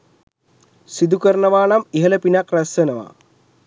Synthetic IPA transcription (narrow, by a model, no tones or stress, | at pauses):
sid̪ukəɾɳɐʋaːnamiɦɐlɐpinakrɐsənɐʋa̰